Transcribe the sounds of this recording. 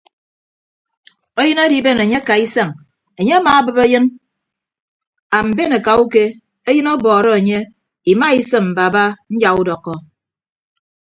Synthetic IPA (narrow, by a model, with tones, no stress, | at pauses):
o˦jɨ˦na˦di˨˦be˦ne˨ɲe˦ka˨i˦sa˦˨ŋ | e˨ɲe˦a˦maː˨a˦bɨ˨be˦jɨ˦n | a˨m̩˨be˦ne˨ka˨u˦ke˦ | e˦jɨ˦nɔ˦bɔː˨ɾɔ˦e˨ɲe˦ | i˨ma˦i˦sɨ˦mm̩˨ba˨ba˦n̩˦d͡ʒa˨ɣu˦dɔ˨kːɔ˨